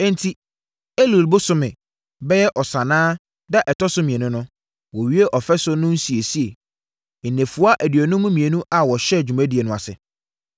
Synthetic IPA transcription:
ɛ̃˦n˦tʰi˦ | e˦lu˨lbʊ˦sʊ˦mɪ̃˨ | bɛ˦jɛ˦ʔɔ˨sa˨nãː˦ | da˦ʔɛ˨tʰɔ˦sʊ˦mĩ˨e˨nʊ̃˦nʊ̃˦ | wɔ˨ɥi˦e˦ʔɔ˨fɛ˦sʊ˦nʊ̃˦n̩˦si˨e˨si˦e˨ | nẽ˨fu˨a˦ʔæ˨dɥɔ˨nʊ̃˦mːʊ̃˦mĩ˨e˨nũ˦ʔa˨wɔ˨ɕɛ˦˨d͡ʑᶣu˨mæ̃˦di˨e˨nʊ̃˦˨a̰˨sɪ̰˨

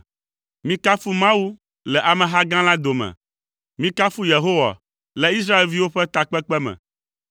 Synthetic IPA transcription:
mĩ˦ka˦fu˦mã˦wu˦ | lɛ˨ʔa˨mɛ̃˨ɦa˦ɡã˦la˦d̪o˨mɛ̰̃˨ | mĩ˦ka˦fu˦je˨ɦo˦wa̰˨ | lɛ˨i˦s̬ɾa˦e˨lvi˦wo˦ɸɛ˦t̪a˨k͡pɛ˦k͡pɛ˦mɛ̰̃˨

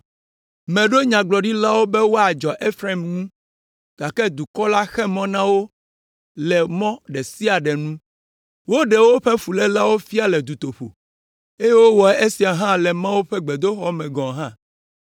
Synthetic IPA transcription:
mɛ̃˨ɖo˦ɲã˨ɡ͡blɔ˨ɖi˦la˦wo˦bɛ˦wo˦a˨d͡ʒɔ˨ʔe˦fɾa˦˨mnũ˦ | ɡ̥a˨kɛ˦d̪u˨kɔ˦la˦xɛ˦mɔ̃˦nã˦wo˦ | lɛ˨mɔ̃˦ɖɛ˨si˦a˨ɖɛ˨nũ˦ | wo˦ɖɛ˨wo˦ɸɛ˦fu˨lɛ˦la˦wo˦fi˦a˦lɛ˨d̪u˨t̪o˨ɸo̰˨ | e˦je˦wo˦wɔ˨˦e˦si˨a˨ɦã˦lɛ˨mã˦wo˦ɸɛ˦ɡ͡bɛ˨d̪o˦xɔ˦mɛ̃˨ɡɔ̃˨ɦã˦

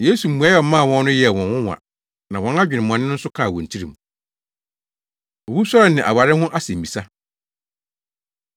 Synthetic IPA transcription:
je˦su˨ũ˨a˦jɛ˦ɔ˨mã˦˨wɔ̃˦nː˦ʊ̃˦jɛ˨wɔ̃˨nwʊ̃˦wã̰˨ | nã˨wɔ̃˨na˦d͡ʑᶣɪ˨nɪ̃˨m˨ɔ̃˨nːɪ̃˦n̩˦sʊ˦kʰã˦˨wɔ̰̃˨n̩˨tʰi˦ɾḭ̃˨m˨ | o˨bu˦sa˦ɾɛ˨nɪ̃˨ʔa̰˨wa˨ɾɪ˦hʊ̃˦ʔa˦sɛ̃˨m˨bi˨sa˦

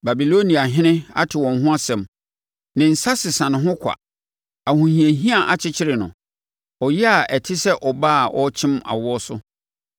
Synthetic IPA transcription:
ba˨bi˨lo˦nĩ˨a˨ɦɪ̃˦nɪ̃˦a̰˦tʰɪ˨wɔ̃˨nɦʊ̃˦a˦sɛ̃˨m | nɪ̃˨n̩˨sa˦sɪ˨sã˨nɪ̃˨ɦʊ̃˦kʷʰa̰˨ | a˨hũ˨hĩ˨ẽ˨ɦĩ˦a˨ʔa˨t͡ɕʰɪ˦t͡ɕʰɪ˦ɾɪ˨nʊ̰̃˨ | ɔ˨jɛ˦a˨ɛ˨tʰɪ˦sɛ˦ʔɔ˨ba˦˨ʔɔ˦t͡ɕʰɪ̃˦ma̰˨wɔ˦sʊ̰˦

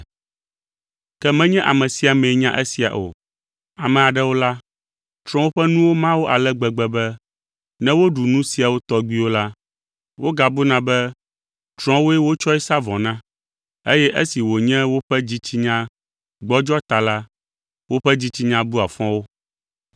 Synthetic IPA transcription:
kɛ˦mɛ̃˦ɲɛ̃˦ʔa̰˨mɛ̃˨si˦a˨mɛ̃˨˦ɲã˦ʔɛ˦si˨a̰˨ʔo̰˨ | a˨mɛ̃˨a˨ɖɛ˦wo˦la˦ | t͡ʃɾ̃ɔ̃˦wo˦ɸɛ˦nũ˦wo˦mã˦wo˦ʔa˨lɛ˦ɡ͡bɛ˨ɡ͡bɛ˨bɛ˦ | nɛ̃˦wo˦ɖu˨nũ˦si˨a˨wo˦t̪ɔ˦ɡ͡bi˦wo˦la˦ | wo˦ɡa˨bu˦nã˦bɛ˦ | t͡ʃɾɔ̃˦wo˦ɛ˦wo˦t͡ʃɔ˦ɛ˦sa˦vɔ̃˨nã˦ | e˦jɛ˦ʔe˦si˨wo˨ɲɛ̃˦wo˦ɸɛ˦d͡ʑi˦t͡ɕi˦ɲã˦ | ɡ͡bɔ˦d͡ʒɔ˦t̪a˨la˦ | wo˦ɸɛ˦d͡ʑi˦t͡ɕi˦ɲã˦bu˦a˨fɔ̃˦wo˦

